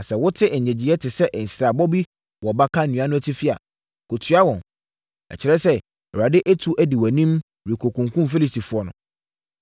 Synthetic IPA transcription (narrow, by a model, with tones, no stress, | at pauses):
a˨sɛ˨wʊ˦tʰɪ˦ʔɛ˨ɲɛ̃˨d͡ʑi˨ɛ˦tʰɪ˨sɛ˦ʔn̩˨sɾa˨bɔ˦bi˦ | wɔ˨ba˦kʰa˦˨nĩ˨a˦nʊ̃˦æ˨tʰi˦fi˦a̰˨ | ko˨tʰɥa˦wɔ̃˨n | ɛ̰˨t͡ɕʰɪ˨˦ɾɛ˦sɛ˦ | ɛ˨ɾa˨dɪ˦ʔæ˦tʰu˦ʔæ˦di˨wɔ˨nĩ˦m | ɾi˨kʰo˨kʰũ˨ŋkũ˦mfe˦li˨sti˨fʊ˨˦ɔ˦nʊ̃˨